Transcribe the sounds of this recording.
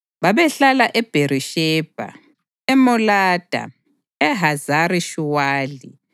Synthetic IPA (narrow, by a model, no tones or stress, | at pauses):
βaβɛɬalaʔɛb̥ʱeɾiʃɛːb̥ʱa̰ | ɛmɔlaːd̥ʱa̰ | ɛɦazaɾiʃuwaːlḭ